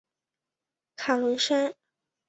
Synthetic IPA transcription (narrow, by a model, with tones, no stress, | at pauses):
kʰa˨˩lɤ˧˥ŋʂa˥n